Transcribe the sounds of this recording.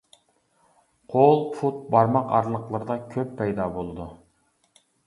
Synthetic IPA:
qʰolˠpʰut̪̚bɑɾmɑqɑ̰ɾlˠəqlˠəɾɨd̪ɑkʲʰøpʰːɛjd̪ɑbolˠɨd̪u

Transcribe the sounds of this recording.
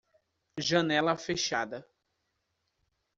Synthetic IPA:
ʒɐnɛlɐfeʃad̪ɐ

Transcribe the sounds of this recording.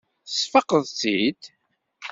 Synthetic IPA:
θəsfəqəðˤθid̪

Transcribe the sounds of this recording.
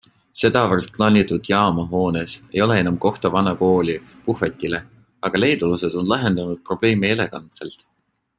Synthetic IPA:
se̞d̪̥ɑvərst̪̚klɑːnʲit̪ud̪̥jɑːmɑɦo̞ːnese̞jo̞leenɑmko̞ht̪ɑvɑnɑko̞ːlʲipufet̪ʲːile | ɑɡ̥ɑle̞jd̪̥uluse̞d̪̥o̞nlɑɦe̞nd̪̥ɑnud̪̥̚pro̞b̥le̞ːmie̞le̞ɡ̥ɑnt̪selt̪

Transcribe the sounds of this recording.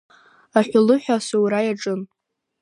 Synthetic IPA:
aħʷᶣʊlɨħᶣasuwɾajaʈ͡ʂʼɨn

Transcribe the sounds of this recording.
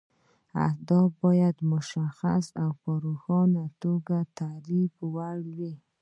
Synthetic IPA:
a̰hd̪ɔbɔjad̪mʊʃaxa̰sawpəɾoxɑnat̪oɡat̪aɾibwaɽwi

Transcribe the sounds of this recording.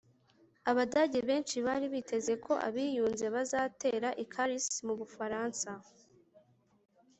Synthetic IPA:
aβadaɟe̞βe̞ːnt͡ʃiβaɾiβitʰe̞ze̞kʰo̞ʔa̰βiːjuːnze̞βazaːte̞ːɾaʔikʰaɾismuβufaɾaːnsa

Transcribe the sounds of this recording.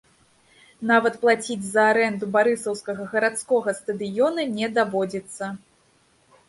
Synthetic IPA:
navɐt̪plˠat͡sʲid͡zʲzɐːɾɛnd̪ubaɾɨsɐwskɐɣɐɣɐɾat̪skɔɣɐst̪ɐd̪ɨjɔnɐnʲɛd̪avɔd͡zʲit̪sːɐ

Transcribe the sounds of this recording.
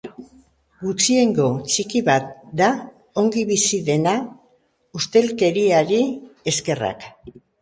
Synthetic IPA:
ɡut͡ʃie̞ŋɡo̞t͡ʃikiβat̪̚d̪a | o̞ŋɡiβisiðe̞na | ust̪e̞lke̞ɾiaɾie̞ske̞ra̰k

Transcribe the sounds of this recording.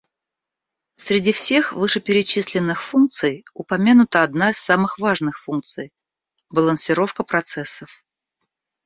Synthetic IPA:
sɾʲɪdʲifsʲe̞xvɨʂɨpʲɪɾʲɪt͡ɕisʲlʲɪnːɨxfunk̚t̪sɨjʊpɐmʲanʊt̪əɐd̪naɪsːamɨxvaʐnɨxfunk̚t̪sɨj | bəlˠənsʲɪɾo̞fkəpɾɐt̪sɛsːəf

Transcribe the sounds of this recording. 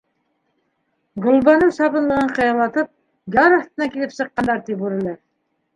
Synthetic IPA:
ɡŏlˠbɑnɤɴsɑpɤ̆nlˠɤ̆ʁɤɴqɤ̆jɑmlˠɑt̪ɤp̚ | jɑɾɑst̪ɤ̆nɑkilɘpsɤ̆qːɑnd̪ɑɾt̪ipuɾɘ̆lɤɾ

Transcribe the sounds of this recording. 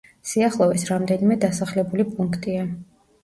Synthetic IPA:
siaχlˠɔvisɾamd̪ɛnimɛd̪asaχlɛbulipʼuŋkʰt̪ʼia

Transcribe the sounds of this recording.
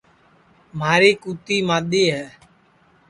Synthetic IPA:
maːɾiːkuːt̪iːmaːɗ̪iːɦɛː

